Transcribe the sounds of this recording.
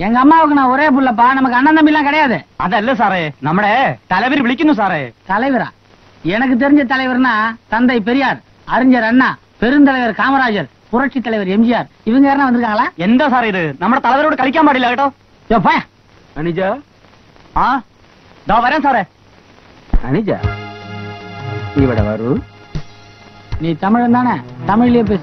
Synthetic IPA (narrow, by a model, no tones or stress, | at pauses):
ɛŋɡɐːmːaːʋɯk̬ːɯnãːɔɾeːp̬ʊɭːɐp̬ːaːnɐmɐk̬ːɯɐnːɐnd̪ɐmiːlːãːkɪɽɐjaːðɯɐ̰ðɐɪlːɐs̬aːɾenɐmːɐɽet̪ɐlɐʋɐɾʋɪɭɪkːɯnːɯ̃s̬aːɾet̪ɐlɐɪʋɐɾa̰ː | ɛnɐk̬ːɯt̪̬ɛɾɪɲd͡ʒɐt̪̬ɐlɐɪʋɐɾnaːt̪ɐnd̪ɐɪp̬ɛɾɪjaːɾ | ɐɾɪɲd͡ʒɐɾɐnːaː | pɛɾɯnt̪̬ɐlɐɪʋɐɾkaːmɐɾaːd͡ʒɐɾ | pʊɾɐʈt͡ʃit̪ːɐlɐɪʋɐɾɛmd͡ʒɪjaːɾ | ɪʋɯŋɡɐeːɾɐnaʋɐnd̪ɯɾɯkːaːŋɡɐɭaːɛnd̪ɐsaːɾɪðɯnɐmːɐɽɐt̪ɐlɐɪʋɐɾoːɽɯkɐɭɪk̬ʲːaːmaːɽɪlːɐkɐʈːɐ̃ | soːpaːja | ɐnɪd͡ʒaː | aː | d̪ãːʋɐɾẽːsaːɾeː | ɐ̰nɪd͡ʒa̰ː | ɪʋɐɽɐ̰ʋɐ̰ɾɯ | niːt̪ɐmɪɻɐnd̪aːnɐt̪ɐmɪɻɪljeːp̬eːs